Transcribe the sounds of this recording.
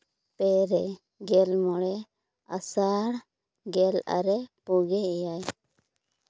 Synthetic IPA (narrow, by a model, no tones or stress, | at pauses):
pɛɾɛ | ɡɛlmɔɽɛ | asaɽ | ɡɛla̰ɾɛpuɡɛɛjaj